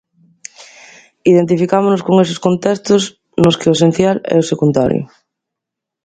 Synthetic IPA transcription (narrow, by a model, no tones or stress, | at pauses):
iðent̪ifikamʊnoskoŋes̬ɪ̥skont̪est̪ʊs | nʊskɪʊesẽn̟θjalɛ̰ʊsekund̪a̰ɾjʊ̰